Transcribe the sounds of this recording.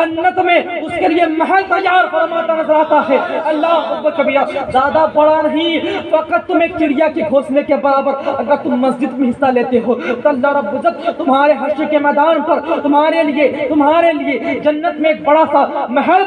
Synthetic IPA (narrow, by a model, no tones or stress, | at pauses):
ɐnːət̪mẽʊskeliemɐɦɛlt̪ɐjːaːɾpɐɾɐmat̪ɐnɐzɐɾaːt̪aɦɛɐlːaɦɾɐbːəkɐbijazaːd̪abɐɽanɐɦĩfɐqət̪ːʊmeːk̚t͡ʃɪɽijakeɡʱoːsnekebɐɾaːbəɾɐɡəɾt̪ʊmːɐsd͡ʒɪd̪mẽɦɪsːaleːt̪eɦoːt̪ɐlːaɾɐbːʊzɐd̪t̪ʊmɦaːɾeɦɐʃəkemɛːd̪aːnpɐɾt̪ʊmɦaːɾeliet̪ʊmɦaːɾelied͡ʒɐnːət̪mẽːk̚bɐɽasamɐɦɛl